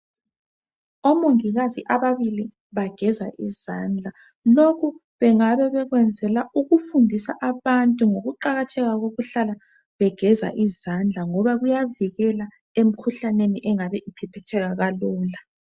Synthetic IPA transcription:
omoŋiɣaziʔaβaβili | βaɡ̥ʱɛzaʔḭzand͡ɮʱa | lokʰu | βɛŋaβɛβɛɣwɛnd͡zʱɛlaʔuɣufundʱisaʔaβantʼuŋoɣuǃaɣatʰɛɣaɣoɣuɬala | βɛɡ̥ʱɛza̰ʔizand͡ɮʱaŋɔβaɣujaviɣɛla | em̩kʰuɬaneniʔɛŋaβɛʔipʰɛpʰɛtʰɛɣaɣalɔːla

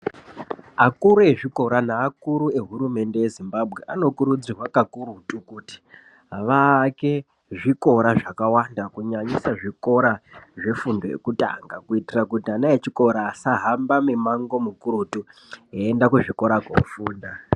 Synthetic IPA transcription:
akuɾue̞ʐiko̞ɾanaːkuɾue̞ɦuɾume̞nde̞je̞zimbabʱɣe̞ʔano̞kuɾud͡zirwakakuɾutukuti̥ | ʋake̞ | ʐiko̞ɾaʐakawandakuɲaɲisaʐiko̞ɾaʐe̞fundojḛkuta̰ŋɡakuitirakutianaet͡ʃiko̞ɾaːsaɦambamemaŋɡo̞mukuɾutueːndakuʐiko̞ɾako̰ufuːnda

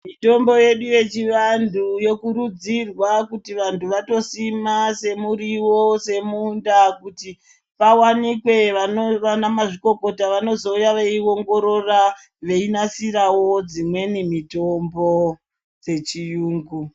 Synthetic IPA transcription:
mito̞mbo̞je̞ɗuje̞t͡ʃiʋandʱujo̞kuɾud͡zirwakutiʋantʰuʋato̞simase̞muɾiwose̞mundakuti | pawanikwe̞ʋanoʋanamaʐiko̞ko̞taʋano̞zo̞ujaʋe̞iwo̞ŋɡo̞ɾo̞ra | ʋe̞inasirawo̞d͡zimwe̞nemitombo̞ | d͡ze̞t͡ʃijuːŋɡu

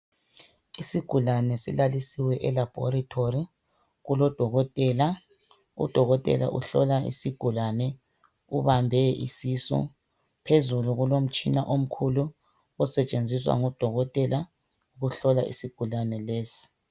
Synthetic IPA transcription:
isiɡ̥ʱulanɛsḭlalisiwɛʔɛlab̥ʱɔ̰ɾatʰori | ɣulɔd̥ʱɔɣɔtʼɛla | ṵd̥ʱɔɣɔtʼɛ̰la̰ʔṵɬɔ̰laḭsiɡ̥ʱulanɛ | uβambʱɛʔisisɔ̰ | pʰezuluɣulom̩t͡ʃʼinaʔom̩kʰulu | ɔsɛt͡ʃʼend͡zʱiswa̰ŋɔd̥ʱɔɣɔtʼɛla | uɣuɬɔla̰ʔḭsiɡ̥ʱulanɛleːsi̥

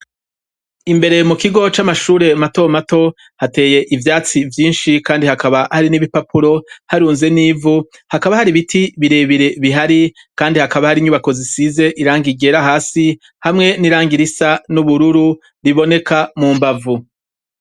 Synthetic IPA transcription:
imbe̞ɾe̞mukiɡo̞t͡ʃamaʃuːɾe̞mato̞mato̞ | hate̞ːje̞ʔivjaːt͡sivjiːnʃikaːndihakaβahaɾiniβipapuɾo̞haɾuːnze̞niːvu | hakaβahaɾiβitʰiβiɾeːβiɾeβiɦaɾi | kaːndihakaβahaɾiɲuβako̞zisize̞ʔiɾaːŋɡiɡe̞ɾaɦaːsi | hamŋe̞niɾaːŋɡiɾisanuβuɾuɾu | ɾiβo̞ne̞kamuːmbavu

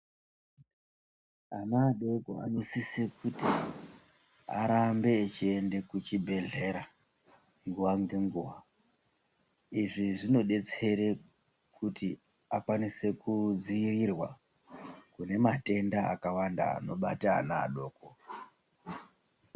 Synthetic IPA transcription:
anaːɗo̞ko̰a̰ɲosisekuti | a̰ɾambe̞ːt͡ʃiende̞kut͡ʃibʱe̞ɮe̞ɾa | ŋɡuʋaŋɡe̞ŋɡuʋa | iʐiʐino̞ɗe̞t͡se̞ɾe | kʰuti | akwanise̞kud͡ziirirwa | kune̞mate̞ndaa̰kawanda̰ːno̞ɓa̰ta̰ːna̰ːɗo̞ːko

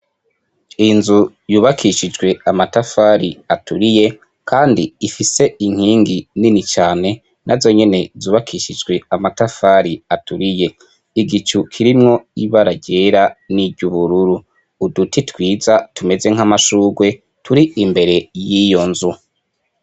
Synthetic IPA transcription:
inzu | juːβakʰiʃid͡ʒɡwe̞amatafaːɾiatuɾije̞ | kʰaːndiːfise̞iŋ̥hiːŋɡininit͡ʃaːne̞ | nʔazo̞ɲe̞ne̞zuːβakʰiʃid͡ʒɡwe̞amatafaɾiatuɾije̞ | iɡit͡ʃukʰiɾimŋo̞iβaɾaɟe̞ɾaniɟuβuɾuɾuː | dutitwiːzatume̞ze̞ŋ̥amaʃuːɡwe̞ | tʰuɾiimbe̞ɾe̞jijo̞nzu

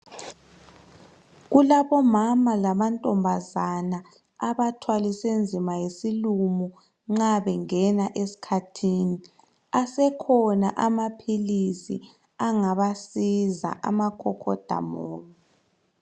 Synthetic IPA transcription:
ɣulaβɔmamalamantʼɔmbʱazana | aβatʰwalisend͡zʱimajesilumu | ŋ͡ǁaβɛŋɛnaʔesi̥kʰatʰiːni | asɛkʰɔna̰ʔamapʰilisḭ | aŋaβasiza̰ʔa̰makʰɔkʰɔ̰d̥ʱa̰mɔːŋa

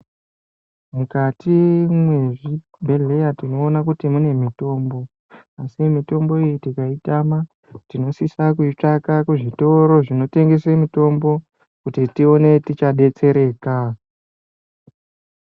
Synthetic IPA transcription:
mukatimwe̞ʐi | bʱe̞le̞jatino̞ːnak̬utimune̞mito̞ːmbo̞ | asimito̞mbo̞ijitikaitama | tino̞sisakuit͡ʂakakuʐito̞ɾo̞ʐino̞te̞ŋɡe̞semito̞mbo̞ | kutitio̞ne̞tit͡ʃaɗe̞t͡se̞ɾe̞ːka

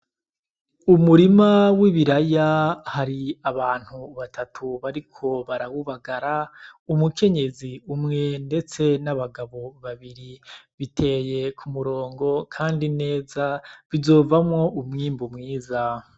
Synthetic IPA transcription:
umuɾimawiβiɾajahaɾiaβaːn̥huβatʰatʰuβaɾikʰo̞βaɾaβuβaɡaɾaumukʰe̞ɲe̞ziumŋe̞nde̞t͡se̞naβaɡaβo̞βaβiɾiβitʰe̞ːje̞kʰumuɾo̞ːŋɡo̞kʰaːndine̞ːzavizo̞ːvamŋo̞umŋiːmbumŋiːza

